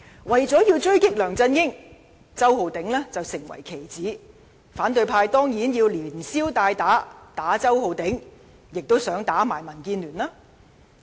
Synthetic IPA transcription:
wɐ˨˩jt͡sɔː˨˥jiː˧wt͡ʃɵ˥ɥkɪ˥k̚lœː˨˩ŋt͡sɐ˧njɪ˥ŋ | t͡sɐ˥who˨˧wt̪ɪ˨˥ŋlɛː˥t͡sɐ˨wsɪ˨˩ŋwɐ̰˨˩jkʰe˨˩jt͡siː˨˥ | faː˨˥nt̪ɵ˧ɥpʰaː˧jt̪ɔː˥ŋjiː˨˥njiː˧wliː˨˩nsiː˥wt̪aː˧jt̪aː˨˥t̪aː˨˥t͡sɐ˥wɦo˨˧wt̪ɪ˨˥ŋ | jɪ˨k̚t̪o˥wsœː˨˥ŋt̪aː˨˥maː˨˩jmɐ˨˩nkiː˧nlyː˨˩nlaː˥

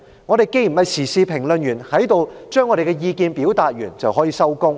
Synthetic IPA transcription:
ŋɔː˨˧ɾe˨jke˥jm̩˨˩hɐ˨˧jsʰiː˨˩siː˧pʰɪ˨˩ŋlɵ˨njyː˨˩nhɐ˨˥jt̪o˨˧wt͡ʃœː˥ŋːɔː˨˧ɾe˨˩kɛ˧jiː˧kiː˧npi˨˥wt̪aː˨t̚jy̰ː˨˩nt͡sɐ˨wɦɔː˨˥jiː˨˧sɐ˥wkʊ˥ŋ

